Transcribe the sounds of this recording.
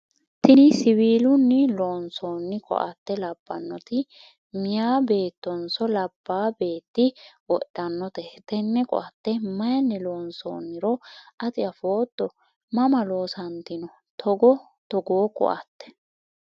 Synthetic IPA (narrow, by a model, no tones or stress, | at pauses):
t̪ɪnɪsɪβiːlʊnːɪloːnsoːnːɪkʼɔ̰ʔɐ̰t̪ːɛlɐb̥ːɐnːɔt̪ɪ | mɪjaːbe̞ːt̪ːɔnsɔlɐbːaːbe̞ːt̪ːɪwɔʔɐnːɔt̪ɛt̪ɛnːɛkʼɔ̰ʔɐt̪ːɛmɐjɐnːɛloːnso̰ːnːɪɾɔɐt̪ʼɪɐfoːt̪ːɔ | mɐmɐlo̞ːsɐnt̪ɪnɔ | t̪ʰɔɡɔ | t̪ɔɡoːkʼɔ̰ʔɐ̰t̪ːɛ̥